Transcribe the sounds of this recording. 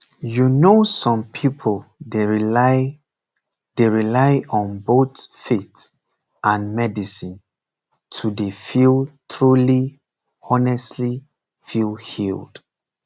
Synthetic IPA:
junosɔ̃mpʰipʰoldeɹila | d̥eɹilaɪʔɔ̃nbotfit | ʔãnmɛdisĩn | tʰudefilˠtʰɹuli | ɔnɛstli | filˠhild̥

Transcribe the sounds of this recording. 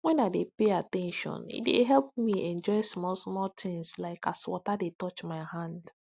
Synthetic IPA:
wɛ̃naɪdepeatɛ̃nʃɔ̰̃nḭt̚dḛɦɛlp̚miʔɛ̃nd͡ʒɔɪsmɔlsmɔlt̪ʰɪ̃ŋslaɪkaswɔtadetɔt͡ʃmaɪhãnd

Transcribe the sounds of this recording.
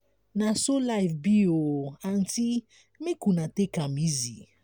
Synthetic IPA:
nãsolajfbioan̩ti | mĩkunãtekamĩzi

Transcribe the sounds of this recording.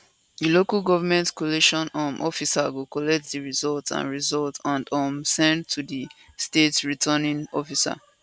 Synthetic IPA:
dilokalɡɔvəmɛ̃ntkɔliʃɔ̃namʔɔfisaɡokɔlɛk̚tdiɹizɔltã̰nɹizɔltʰãndɔmsɛ̃ndtʰudi | stetɹitʰənĩŋɔfisa̰

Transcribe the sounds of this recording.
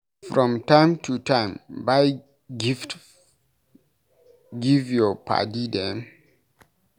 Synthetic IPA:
fɹɔ̃mtãɪ̃mtʰutãɪ̃mbaj | ɡift | ɡivjɔpʰa̰tidɛ̃m

